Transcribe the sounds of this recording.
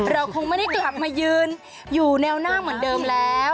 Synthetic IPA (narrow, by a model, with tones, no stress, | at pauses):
ɾa˧wkʰo˧ŋma˥˩da˥˩jt͡ɕɛ˧ka˨˩p̚maː˧jɯː˧n | juː˨˩nɛː˧wnaː˥˩ŋmɯ˩˦ndɤː˧mlɛː˦˥w